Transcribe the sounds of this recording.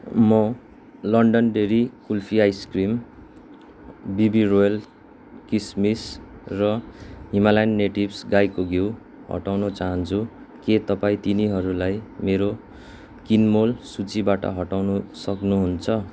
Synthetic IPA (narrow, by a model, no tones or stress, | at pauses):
mʌ | lʌɳɖʌnɖeɾikulpʰiajskrim | bibirojʌl | kismisrʌɦimalanːeʈibsɡajkoɡew | ɦʌ̰ʈawnʌt͡saɦʌnt͡sʰu | ket̪ʌpaĩt̪iniɦʌɾulajmeɾo | kinmolsut͡sibaʈʌ̰ɦʌʈawnusʌknuɦunt͡sʰʌ